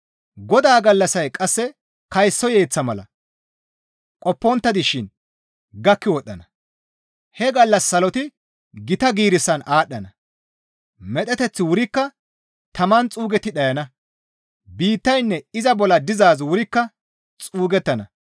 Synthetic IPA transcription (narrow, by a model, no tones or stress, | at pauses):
ɡɔd̪aːɡɐlːɐsɐjkʼɐsːɛ | kɐjsːɔje̞ːt͡sːɐmɐlɐ̰ | kʼɔpːɔnt̪ːɐd̪ɪʃɪn | ɡɐkːɪwɔɗːɐnɐ | hɛɡɐlːɐsːɐlɔt̪ɪ | ɡɪt̪ɐɡiːɾɪsːɐnaːɗːɐnɐ | mɛt̪ʼɛt̪ɛt͡sːɪwʊɾɪkːɐ | t̪ɐmɐnt͡sʼuːɡɛt̪ːɪɗɐjɐnɐ | biːt̪ːɐjnːɛɪzɐbɔlɐd̪ɪzaːzwʊɾɪkːɐ | t͡sʼuːɡɛt̪ːɐnɐ